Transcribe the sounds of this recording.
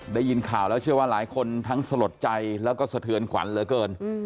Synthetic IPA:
daː˥˩ji˧nkʰaː˨˩wlɛː˦˥wt͡ɕʰɯ˥˩əwaː˥˩laː˩˦jkʰo˧nt̪ʰa˦˥ŋsa˧lo˨˩t̪̚t͡ɕa˧jlɛː˦˥wkɔː˥˩sa˨˧t̪ʰɯ˧nkʰwa̰˩˦nlɤː˧jkɤː˧n

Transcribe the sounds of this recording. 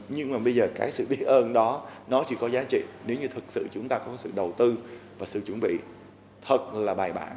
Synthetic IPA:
ɲɨ˧ŋmaː˨˩ɓə˧jzəː˨˩kaː˨˦jsɨ̰˧˨ɓi˨˦˥ət̚ʔəː˧nɗɔ˨˦nɔ˨˦t͡ɕḭ˧˩kɔ˨˦zaː˨˦t͡ɕḭ˧˨ne˨˦wɲɨ˧t̪ʰɨ˨˩t̚sɨ̰˧˨t͡ɕʊ˨˦ŋ͡mt̪aː˧kɔ˨˦kːsɨ̰˧˨ɗə˨˩wt̪ɨ˧vaː˨˩sɨ̰˧˨t͡ɕwə˧˩nɓḭ˧˨ | t̪ʰə˨˩t̚laː˨˩ɓaː˨˩jɓa̰ː˧˩n

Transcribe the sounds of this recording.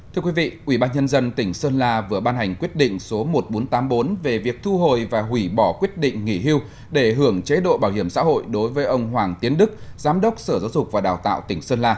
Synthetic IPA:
t̪ʰɨ˧əkwi˨˦vḭ˧˨ʔwi˧˩ɓaː˧nɲə˧nzə˧nt̪ï˧˩ŋ̟səː˧nlaː˧vɨ˨˩əɓaː˧nha˨˩jŋ̟kwi˦˥ət̚ɗḭ̈˧˨ŋ̟so˨˦mo˨˩t̚ɓo˨˦nt̪aː˨˦mɓo˨˦nve˨˩vi˨˩ək̚t̪ʰu˧ɦo˨˩jvaː˨˩ɦwi˧˩ɓɔ˧˩kwi˦˥ət̚ɗḭ̈˧˨ŋ̟ŋi˧˩ɦi˧w | ɗe˧˩ɦɨ˧˩əŋt͡ɕe˨˦ɗo̰˧˨ɓaː˧˩whɦi˧˩əmsa̰ː˧˥ɦo̰˧˨jɗo˨˦jvəː˨˦jʔə˧wŋ͡mɦwaː˨˩ŋt̪i˨˦ənɗɨ˦˥k̚zaː˨˦mɗə˦˥wk͡p̚səː˧˩zaː˨˦wzʊ˨˩k͡p̚vaː˨˩ɗaː˨˩wt̪a̰ː˧˨wt̪ï˧˩ŋ̟səː˧nlaː˧

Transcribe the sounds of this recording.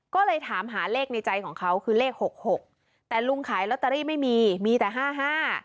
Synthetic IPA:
kɔː˥˩lɤː˧jt̪ʰaː˩˦mɦaː˩˦leː˥˩k̚na˧jt͡ɕa˧jkʰɔː˩˦ŋkʰa˦˥wkʰɯː˧leː˥˩k̚ho˨˩k̚ho˨˩k̚ | t̪ɛː˨˩lu˧ŋkʰaː˩˦jlɔ˧˦˥t̪ːa˧ɾiː˥˩ma˥˩jmiː˧miː˧t̪ɛː˨˩ɦaː˥˩ɦaː˥˩

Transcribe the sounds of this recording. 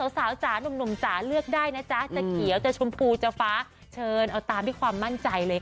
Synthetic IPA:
sa˩˦wsaː˩˦wt͡ɕaː˩˦nu˧mnu˧mt͡ɕaː˩˦lɯ˥˩ək̚daː˥˩jna˦˥t͡ɕa˦˥t͡ɕa˨ki˨˩˦əwt͡ɕa˨˩t͡ɕʰo˧mpʰuː˧t͡ɕa˧˩faː˦˥ | t͡ɕʰɤː˧nʔa˧wt̪aː˧mdaː˦˥˩kʰwaː˧mːa˥˩nt͡ɕa˧jlɤː˧j

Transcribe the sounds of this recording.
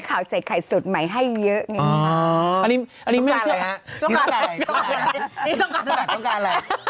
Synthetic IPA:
kʰaː˨˩˦wsa˨˦jkʰa˨˩jsu˨˩t̪̚ma˨˦˥jɦa˥˩jːɤ˦˥ʔŋə˧˦˨a˦a˧ni˨˦ʔa˧nːi˧˦ma˥˧˩s | kːni˧˦t̪ɔ˥˩a˧˨˩a˧

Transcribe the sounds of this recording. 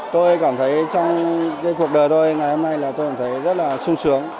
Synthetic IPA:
t̪o˧jkaː˧˩mt̪ʰə˨˦jt͡ɕɔ˧wŋ͡mkaː˨˦jk̬u˨˩ək̚ɗəː˨˩jt̪o˧jŋa˨˩jho˧mna˧jlaː˨˩t̪o˧jkaː˧˩t̪ʰjzə˦˥t̚laː˨˩sʊ˧ŋ͡msɨ˨˦əŋ

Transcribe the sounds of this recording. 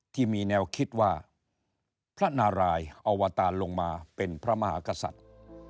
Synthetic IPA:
t̪ʰiː˥˩miː˧nɛː˧wkʰi˦˥t̪̚waː˥˩ | pʰɾa˦˥naː˧ɾaː˧jʔa˧waː˧t̪aː˧nlo˧ŋmaː˧pe˧npʰɾa˦˥ma˧ɦa̰ː˩˦ka˧sa̰˨˩t̪̚

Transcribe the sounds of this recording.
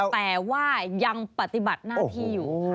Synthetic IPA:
t̪ɛː˨˩waː˥˩ja˧ŋpa˨˧˩t̪i˨˩ba˨˩t̪̚naː˥˧t̪ʰiː˥˩juː˨˩

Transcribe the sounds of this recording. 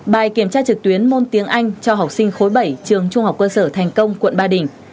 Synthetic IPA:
ɓaː˨˩jki˧˩əmt͡ɕaː˧t͡ɕɨ˨˩k̚t̪wi˨˦ənmo˧nt̪i˨˦əŋʔa˧jŋ̟t͡ɕɔ˧ɦa˨˩wk͡p̚sï˧ŋ̟xo˨˦jɓə˧˩jt͡ɕɨ˨˩əŋt͡ɕʊ˧ŋ͡mha˨˩wk͡p̚kəː˧səː˧˩t̪ʰa˨˩jŋ̟kə˧wŋ͡mkwə̰˧˨nɓaː˧˩ɗï˧˩ŋ̟

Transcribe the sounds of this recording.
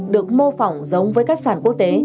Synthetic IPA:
ɗɨ˨˩ək̚mo˧fa˨˩wŋ͡mzə˨˦wŋ͡mvəː˨˦jkaː˦˥k̚saː˧˩nku˦˥ək̚t̪e˨˦

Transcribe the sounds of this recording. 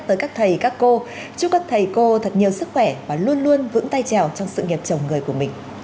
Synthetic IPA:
t̪əː˨jkaː˦˥k̚t̪ʰə˨˩jkaː˦˥kːo˧ | t͡ɕʊ˦˥ŋ͡m̚kaː˦˥k̚t̪ʰə˨˩jko˧t̪ʰə˨˩t̚ɲi˨˩əwsɨ˦˥k̚xwɛ˧˩vaː˨˩lu˧ənlu˧ənvɨ̰˧˥ŋt̪a˧jt͡ɕa˨˩wt͡ɕɔ˧wŋ͡msɨ̰˧˨ŋi˨˩p̚t͡ɕə˨˩wŋ͡mŋɨ˨˩əjku˧˩əmï˨˩ŋ̟

